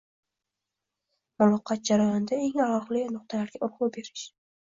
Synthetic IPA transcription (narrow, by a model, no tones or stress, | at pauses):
mʊlɒqʰːɑt̪̚d͡ʒaɾajɒnɪd̪aeŋalɒχlɪnʊq̚t̪ʰalaɾɡʲaʔʊɾʁube̞ɾɪʃ